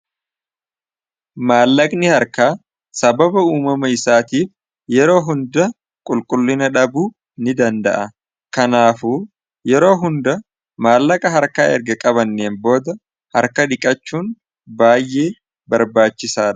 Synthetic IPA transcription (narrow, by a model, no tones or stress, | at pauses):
maːlːɐkʼnɪhɐɾkaː | sɐbɐbɐuːmɐmɐɪsaːt̪iːf | jɛɾo̞ːɦʊnd̪ɐ | kʼʊlkʼʊlːɪnɐᶑɐbuː | nɪd̪ɐnd̪ɐ̰ʔɐ | kɐnaːfuː | jɛɾo̞ːɦʊnd̪ɐ | maːlːɐkʼɐɦɐɾkaːɛɾɡɐkʼɐβɐnːeːmbo̞ːd̪ɐ | hɐɾkɐᶑ̪ɪkʼɐt͡ʃːuːn | baːjːeː | bɐɾbaːt͡ʃːɪsaːᶑ